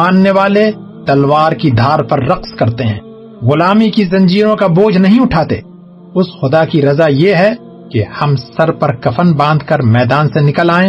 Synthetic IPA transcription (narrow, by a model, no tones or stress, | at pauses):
aːnːeʋaːle | t̪ɐlʋaːɾkid̪ʱaːɾpɐɾːɐqskɐɾt̪eɦɛ̰̃ː | ɣʊlaːmikizɐ̃ɲd͡ʒiːɾõkaboːd͡ʒʱnɐɦĩʊʈʰaːt̪ḛː | ʊsxʊd̪akiɾɐzajeɦɛ | kehɐmsɐɾpɐɾkɐfʰənbãːnd̪ʱkɐɾmɛːd̪aːnsenɪkəlaːẽː